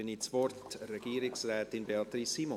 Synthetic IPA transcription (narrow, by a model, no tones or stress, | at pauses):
ənisʋɔrtrɛɡ̥iːɾɪksrɛːtɪnbeɑt̪ɾisːimo